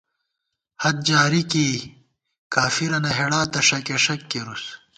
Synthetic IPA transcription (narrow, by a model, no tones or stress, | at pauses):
hɐt̪̚d͡ʑaːɾiki | kaːfiɾɐnɐɦeɽaːt̪ɐʂɐkeʂɐkːeɾus